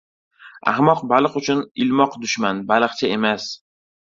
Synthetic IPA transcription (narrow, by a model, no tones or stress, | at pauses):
a̰hmɒqbalˠɨqʊt͡ʃʰʊnɪlmɒqd̪ʊʃmanbalˠɨqt͡ʃʰae̞mas